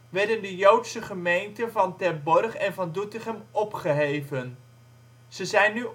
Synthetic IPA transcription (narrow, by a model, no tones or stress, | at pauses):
ʋɛɹdəndəjowtsəχəmejntənvɑntɛrbɔrχɛnvɑndutɪχəmɔpχəɦejvən | z̥əzɛjnːy